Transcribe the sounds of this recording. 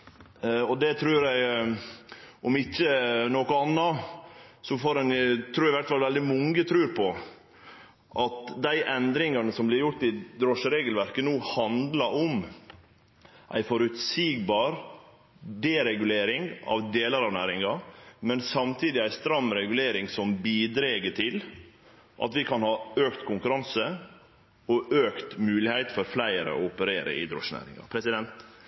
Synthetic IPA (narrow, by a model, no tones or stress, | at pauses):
ɔd̪ɛt̪ʰɾʉːɾjæɪ | ʔɔmɪçːənoːkʊɑnːɑ | sɔfoːɾɛnɪt̪ʰɾuːɾɪʋæɾʈ̪fɑlʋɛld̪ɪmɔŋət̪ʰɾʉːɾpʰɔ | ʔɑt̪d̪æɪʔɛnd̪ɾɪŋɑnəsɔmblɪɾjʊɾʈ̪ɪd̪ɾoːʂəɾeːɡəlʋæɾkənuːhɑnd̪lɑɾɔm | ʔæ̰ɪfɔɾʉt̪siːɡ̚bɑːɾ | d̪eɾɛɡʉleːɾɪŋɑ̰ʋd̪eːləɾɑʋnæːɾɪŋɑmɛnsɑmt̪ʰiːd̪ɪæɪst̪ɾɑmːɾɛɡʉleːɾɪŋsɔmbiːd̪ɾeːɡəʈʰɪl | ʔɑ̰t̪ʋɪkʰɑnhɑːøːkt̪kʰʊŋkʉɾɑnsə | ɔʔøːkt̪mʉːlɪhæɪt̪fɔɾflæɪɾə̰ɔ̰ʊpəɾeːɾə̰ɪ̰d̪ɾo̰ːʂənæ̰ːɾɪ̰ŋɑ̰pʰɾɛsɪd̪ɛnt̪